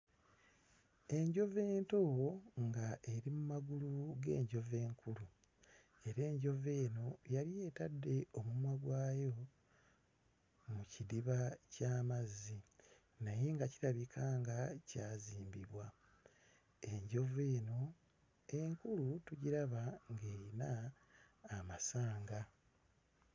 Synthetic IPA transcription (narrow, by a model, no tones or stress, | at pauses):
e̞ɲɟo̞ve̞ːnto̞ŋɡaʔe̞ɾimumaɡuluɡe̞ːɲɟo̞ve̞ːŋkulu | e̞ɾe̞ːɲɟo̞ve̞ːno̞jaɾije̞ːtadːe̞o̞mumwaɡwaːjo̞ | mucidiβacaːmazːi | naje̞ŋɡaciɾaβikʰaːŋɡacaːziːmbiβwa | e̞ɲɟo̞ve̞ːno̞ | e̞ŋkulutuɟiɾaβaŋɡeːinaː | masaːŋɡa